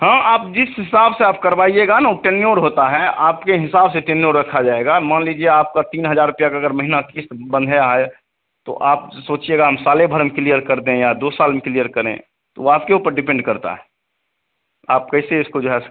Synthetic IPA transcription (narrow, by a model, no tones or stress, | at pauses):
hãːʔaːp̚d͡ʒɪsɦɪsaːbseaːp̚kəɾbaːieɡanaoʈenjoːɾɦoːt̪aɦɛʔaːpkeɦɪsaːbseʈenjoːɾɾəkʰad͡ʒaːeɡamaːnliːd͡ʒieaːp̚kat̪iːnɦəd͡ʒaːɾʊpjakaəɡəɾməɦinakiːst̪bə̃nd̪ʱeaɦɛ | t̪o̰ʔaːp̚soːt͡ʃieɡaɦəmsaːlebʱəɾmeklijəɾkəɾd̪ẽjad̪oːsaːlmeklijəɾkəɾḛ̃ | t̪oaːpkeuːpəɾɖɪpẽɳɖkəɾt̪a̰ɦɛː | aːp̚kəɪseɪskod͡ʒoːɦɛ